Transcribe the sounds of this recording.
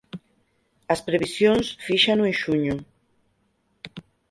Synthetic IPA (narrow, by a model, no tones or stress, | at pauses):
ɐspɾeβisjonsfiʃanuẽʃuɲʊ